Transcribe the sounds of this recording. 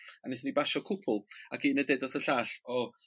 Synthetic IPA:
anɪθənibaʃɔkʰʊpʰʊlˠakiːnədedɔθəɬaːɬɔ

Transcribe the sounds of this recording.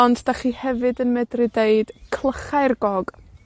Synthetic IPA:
ɔntʰd̥aχiːhɛvɨdənmɛdrɪdeɨd̥kʰlˠəχajrɡɔɡ̥

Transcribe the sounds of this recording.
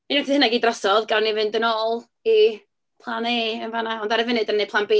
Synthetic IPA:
inɛntʰihənaɡiːdrɔsɔðɡalˠnivɨndənɔːlˠ | i | pʰlˠaneːənvanaɔndaɾɛvɪnɨdənːepʰlˠanbeː

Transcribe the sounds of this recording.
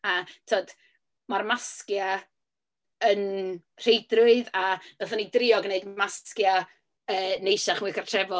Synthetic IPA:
atʰoːd̥ | marmaskja | ən | r̥ejdrʊɨðavɛθanidrɪɔɡneɨdmaskja | əːnejʃaχmɨːkʰartʰr̥ɛvɔ

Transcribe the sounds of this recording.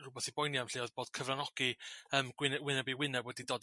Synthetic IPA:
rʊbɛθibɔjniamɬeːɔðb̥oːd̥kʰəvranɔɡ̥iəːmɡ̥wɪnwɪnɛbiwɪnɛbwɛdidɔd

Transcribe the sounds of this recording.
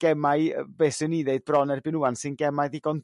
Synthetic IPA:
ɡ̥ɛmaɨbesɨniðeɨd̚b̥rɔnɛrbɪnuansɪnɡɛmajðiɡɔn

